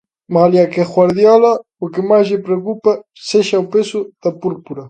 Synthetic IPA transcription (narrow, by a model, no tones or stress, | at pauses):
maljakeɣwaɾðjɔlɐ | ʊkɪmajzʎɪpɾekupɐ | seʃɐopesʊð̥ɐpuɾpuɾɐ